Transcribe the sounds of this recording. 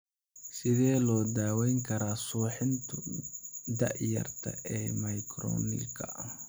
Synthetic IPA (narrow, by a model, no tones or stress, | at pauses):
sɪðɛːlɔːd̪aːwɛjŋkʰɐɾaːsuːħɪnt̪ʰʊ | d̪ɐ̰ʕjɐ̰rt̪ʰɐ̰ʔɛːmɐjkʰɾɔ̰ːnɪ̰kʰɐ